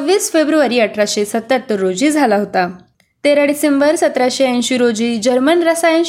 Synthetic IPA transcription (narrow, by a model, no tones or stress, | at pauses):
ʋːiːsfebɾuaɾiːəʈʰɾaɕesət̪ːət̪ɾod͡ʑiːd͡zʱalaɦot̪a | t̪eɾaɖisembəɾsət̪ɾaɕeə̃ɕiːɾod͡ʑiːd͡ʑəɾmənɾəsajə̃n